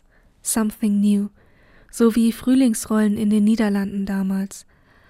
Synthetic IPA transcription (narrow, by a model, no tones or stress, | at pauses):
sãmθɪŋnjuː | z̥oviːfʁ̥yːlɪŋsʁɔlənɪndeːnːiːdɐlandn̩daːmaːls